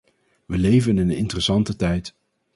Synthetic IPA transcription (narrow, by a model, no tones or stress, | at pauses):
ʋəlejvənɪnəɪ̰ntərəsɑntətɛjt